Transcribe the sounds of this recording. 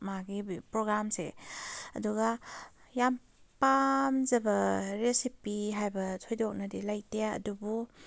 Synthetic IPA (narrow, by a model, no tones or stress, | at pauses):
maɡipɾɔɡɾamseɐ̰duɡa | jam | pamzɐbɐɾesipiɦajbɐtʰojdɔk̚nɐdilajteɐ̰dubu